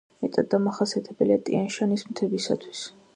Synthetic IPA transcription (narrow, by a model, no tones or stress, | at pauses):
mɛt̪ʼad̪ːamaχasiat̪ʰɛbɛliat̪ʼḭanʃanismt̪ʰɛbisa̰t̪ʰwi̥s